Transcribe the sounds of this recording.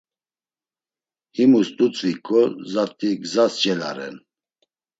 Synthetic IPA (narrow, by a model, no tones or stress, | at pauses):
himust̪ʼut͡sʼvikʼɔzat̪ʼiɡzast͡ʃʼɛla̰ɾɛ̰n